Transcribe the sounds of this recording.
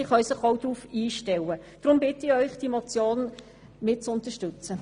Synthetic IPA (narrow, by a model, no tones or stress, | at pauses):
ɪχœɥsɪχoʊd̥̪ɾuːfiːʃtɛwəd̥ʁʊmbɪtɪœʏχd̥imɔt͡sjoːn | mɪt̚t͡sʊnt̪əʃtʉt͡sə